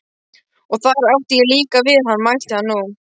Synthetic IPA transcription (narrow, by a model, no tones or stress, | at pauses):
ɔɣθaɾawht̪ɪjɪliːkavɪðhanːmajl̥t̪ɪhanːu